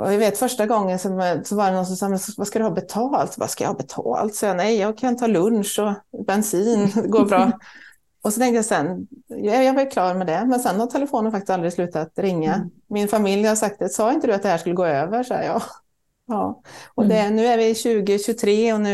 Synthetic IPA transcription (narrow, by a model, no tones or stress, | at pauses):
ʔɔ̰javeːt̪fœʂʈaɡɔŋːənsɔmɛsɔvaɖɛnɔnsɔmsɑːmɛnsvaskad̪ɵhɑːbɛt̪ʰɑːlt̪va̰skajɑ̰hɑːbɛt̪ʰɑ̰ːlt̪sɑːjanɛjjɑɡkʰanɪnʰːɑːlɵnʂɔbɛnsiːnd̪ɛɡoːɾbɾɑː | ɔsɔt̪ɛ̃ŋkt̪əjasɛn | jɑːɡvaɾjkʰlɑːɾmɛd̪ɛmɛnsɛnhaɾt̪ʰɛləfoːnənfakt̪ɪst̪alɾɪɡslʉ̟ːt̪at̪ɾɪŋːamɪnfamɪljhasak̚t̪ɛsɑːɪnt̪əd̪ɵat̪d̪ɛhæːʂkɵlːəɡoːøːvəʂɔ̰jɑ̰ː | ɑːɔd̪ɛnʉ̟ːæɾvɪɕʉ̟ːɡəɕɵt̪ʰɾeːɔnʉ̟ː